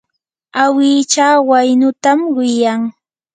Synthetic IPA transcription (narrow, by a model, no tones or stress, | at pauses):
awɪːt͡ʃaːwajnʊt̪amwɪjaŋ